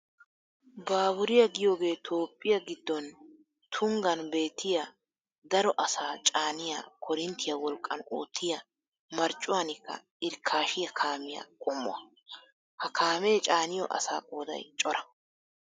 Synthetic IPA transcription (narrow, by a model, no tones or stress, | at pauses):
baːbʊɾɪjɐɡɪjo̞ːɡe̞ːt̪ʰo̞ːpʼːɪjɐɡɪd̪ːɔn | t̪ʰʊŋɡɐnbe̞ːt̪ːɪjɐ | d̪ɐɾɔʔɐsaːt͡ʃʼaːnɪja̰kʰɔɾɪnt̪ʰːɪjɐwɔlkʼːɐno̰ːt̪ʰːɪjɐ | mɐɾt͡ʃʼːʊwaːnɪkːɐ̰ | ɪɾkʰːaːʃɪjɐkʰaːmɪjɐ̰kʼʊmːʊ̰ɐ | hɐkʰaːmeːt͡ʃʼaːnɪjɔ̰ʔɐ̰sa̰ːkʼoːd̪ɐ̰jt͡ʃʼɔɾɐ̥